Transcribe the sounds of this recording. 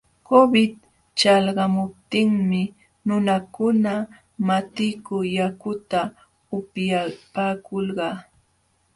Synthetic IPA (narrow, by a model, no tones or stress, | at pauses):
kobɪt̪ | t͡ʃɑlɢɑmʊp̚t̪ɪŋmɪ | nʊnakʊna | mat̪ɪkʊjakʊt̪a | ʊpjapaːkolɢɑː